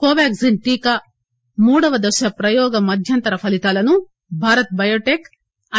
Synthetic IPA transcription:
koːʋaːkzinʈ̪iːkɐ | muːɽɐʋɐd̪ɐʃɐpɾɐjɔːɡɐmɐd̪ʱjɐnt̪ɐɾɐpʰɐlit̪aːlɐnu | bʱaːɾɐt̪̚bɐjoːʈeːk | ɐ

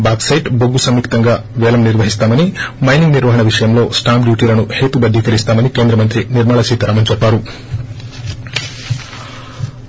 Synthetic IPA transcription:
baːksɐjʈboɡːusɐmːiːkt̪ɐŋɡaːʋɛːlɐmniɾʋɐɦist̪aːmɐnimɐjniŋɡniɾʋɐɦɐɳɐʋiʂɐjɐmlo̞ːsʈaːmɖjuːʈiːlɐnuhe̞ːt̪ubɐd̪ːikɐɾist̪aːmɐnikeːnd̪ɾɐmɐnt̪ɾiniɾmaːɭɐsiːt̪ɐɾaːmɐnɲt͡ʃɛpːaːɾu

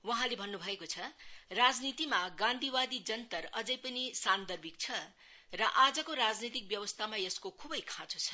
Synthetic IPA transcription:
wʌɦãlebʱʌnːubʱʌekot͡sʰʌrad͡znit̪imaɡãnd̪ʱiwad̪id͡zʌnt̪ʌrʌd͡zʌjpʌnisand̪ʌrbʱik̚t͡sʰʌ | rʌʔad͡zʌkoɾad͡znit̪̬ik̚bjʌwʌst̪ʰamajʌskokʰubʌjkʰãt͡sot͡sʰʌ̥

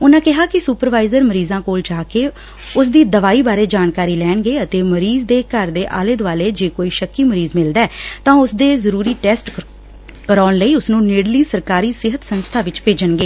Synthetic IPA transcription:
ʊnãːkɪɦaːkɪsuːpəɾʋaːɪzəɾməɾiːzãːkoːld͡ʒaːkeː | ʊs̬d̪iːd̪əʋaːiːbaːɾeːd͡ʒaːnkaːɾiːlɛːɳɡeːət̪eːməɾiːzd̪eːkəɾd̪eːʔa̰ːleːd̪ʋaːleːd͡ʒeːkoːiːʃəkːiːməɾiːzmɪld̪ɛːt̪ãːʊsd̪eːzəɾuːɾiːʈɛːsʈ | kəɾɔːnləiːʊsnũːnɪɽliːsəɾkaːɾiːsɪɦət̪sənst̪ʰaːʋɪt͡ʃpeːd͡ʒənɡeː

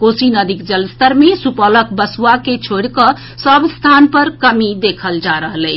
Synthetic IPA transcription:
kosinəd̪ikd͡ʒəlst̪əɾmesupələkbəswaket͡ʃʰoɽkə | səbst̪ʰanpəɾkəmid̪ekʰəld͡ʒaɾəɦlɛɪ

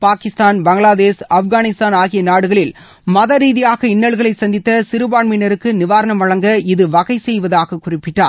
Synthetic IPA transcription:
paːkɪst̪aːnbɐŋɡɭaːðeːsɐfɣaːnɪst̪aːnaːɣɪjɐnaːɽɯɣɐɭɪl | mɐðɐɾiːðɪjaːɣɐɪnːɐɭɣɐɭɐɪsɐnd̪ɪt̪ːɐsɪɾɯbaːɳmɪnɐɾɯkːɯnɪʋaːɾɐnɐmɐɭɐŋɡɐɪðɯʋɐɣɐɪsɛjʋɐðaːɣɐkʊrɪpːɪʈːaːɾ

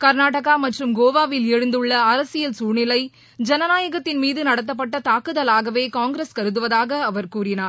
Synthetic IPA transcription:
kɐɾnaːʈɐɣaːmɐʈrɯmɡoːʋaːʋɪlɛɻɯnd̪ɯɭːɐɐɾɐsɪjɐlsuːnɪlɐɪ | d͡ʒɛnɐnaːjɐɣɐt̪ːɪnmiːðɯnɐɽɐt̪̬ːɐpːɐʈːɐt̪aːkɯðɐlaːɣɐʋeːkaːŋɡɾeskɐɾɯðɯʋɐðaːɣɐɐʋɐɾkuːɾɪnaːɾ

